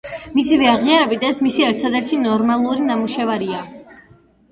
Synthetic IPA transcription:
misivɛaʁiaɾɛbit̪ɛsmisiɛɾt̪ʰad̪ɛɾt̪ʰinɔɾmalˠuɾinamuʃɛvaɾia

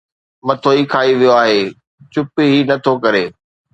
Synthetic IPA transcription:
mɐt̪ʰoːikʰaːiʋijoaːɦeː | t͡ɕʊpiɦinɐt̪ʰokɐɾeː

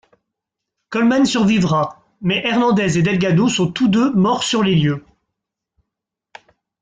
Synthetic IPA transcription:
kɔlmansyʁvivʁa | mɛʔɛʁnɑ̃d̪ɛzed̪ɛlɡad̪osɔ̃t̪ud̪ømɔʁsyʁleljø

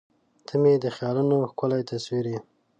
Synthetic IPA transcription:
t̪ʰəmed̪əxjɑlunoxkʊlajt̪aswiɾe

